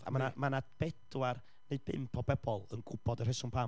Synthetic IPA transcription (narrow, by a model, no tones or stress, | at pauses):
a̰manamanab̥ɛd̥war | neɨd̚bɪ̰mpʰɔbɛb̥ɔlˠənɡʊbɔdər̥ɛsʊŋpʰa